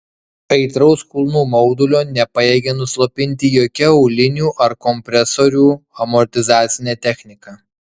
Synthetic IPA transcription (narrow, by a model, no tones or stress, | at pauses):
ɐɪt̪ɾɐʊskʊlˠnuːmɒʊd̪ʊlʲoːnʲɛpɐjeːɡʲenʊslˠopʲɪnʲt̪ʲɪjoːkʲɛɔʊlʲɪnʲuːʔɐɾkɔmʲpʲɾʲɛsoːɾʲuːɐmɔɾʲt̪ʲɪzɑːt̪sʲɪnʲɛːt̪ʲɛxʲnʲɪkɑː